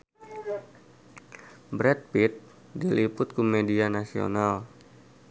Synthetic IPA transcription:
bɾɛt̪̚pit̪̚ | dilipʊt̪̚kumedianasio̰nal

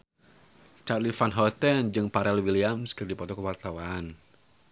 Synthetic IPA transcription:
t͡ʃarlifanɦɔt̪ɛnd͡ʒɨŋpaɾɛlwiliamskɨrdipɔt̪ɔkəwart̪awan

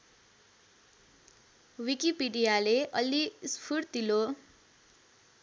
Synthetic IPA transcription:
wikipiɖijaleʔʌlispʰuɽt̪ilo

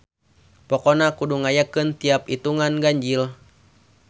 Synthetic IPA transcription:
pɔkɔnakuduŋajakɨnt̪iapit̪uŋanɡaɲd͡ʒil

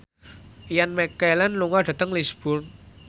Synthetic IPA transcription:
ijanmɛkɛlɛnluŋaɖ̥ä̤t̪əŋlisb̥ʊrn

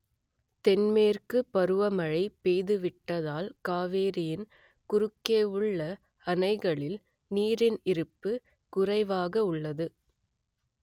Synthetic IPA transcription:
t̪ɛnmeːrkɯpːɐɾɯʋɐmɐɻɐɪpːeːðɯʋɪʈːɐðaːlkaːʋeːɾɪjɪn | kʊɾɯkːeːɯɭːɐ | ɐnɐɪɣɐɭɪl | niːɾɪnɪɾɯpːɯ | kʊrɐɪʋaːɣɐʊɭːɐðɯ

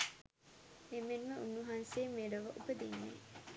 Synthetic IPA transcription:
emenʋəunːuɦaːnseːmeːɖɐʋɐʔubəd̪inːḛ

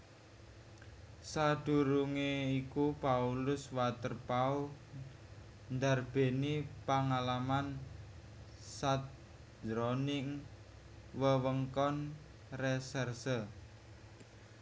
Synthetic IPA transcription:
sad̪̥ṳɾuŋeikupaulʊswat̪ərpau | nd̪arb̥e̤nipaŋalaman | sat̪̚ | d͡ʒɾɔnɪŋ | wəwəŋkɔn | resɛrsə

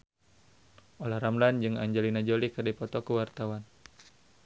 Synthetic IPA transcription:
olahɾamland͡ʒɨŋa̰ɲd͡ʒɛlinad͡ʒolikɨrdipɔt̪ɔkəwart̪awan

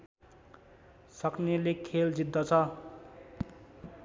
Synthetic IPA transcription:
sʌknelekʰeld͡zid̪ʱːʌt͡sʰʌ

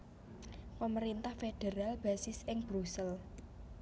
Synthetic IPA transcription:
pəməɾint̪ahfeɖ̥eɾalb̥ä̤sɪsɪŋb̥ɾusəl

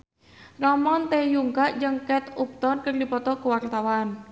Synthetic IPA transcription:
rɔmɔnt̪ejuŋkaʔd͡ʒəŋkɛt̪up̚t̪ɔrkərdipɔt̪ɔkəwart̪awan

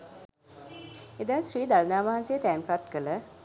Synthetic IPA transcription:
ed̪aːsɾiːd̪alnaːʋaɦansejət̪ɛːnpat̪kələ

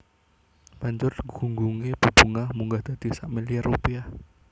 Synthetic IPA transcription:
baɲd͡ʒʊrɡuŋɡuŋeb̥ubuŋahmuŋɡahd̪̥ad̪̥isaʔmiliarupia

